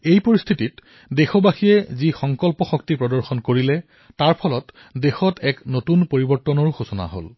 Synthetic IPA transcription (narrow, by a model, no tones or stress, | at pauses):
ejpoɹist̪ʰitit | dexɔbaxijɛzixɔŋkɔlpɔxɔktipɹɔdɔɹxɔnkoɹilɛ | taɹpʰɔlɔt | dexɔtɛknotunpoɹibɔɹtːɔnɔɹxosɔna̰ɦo̰l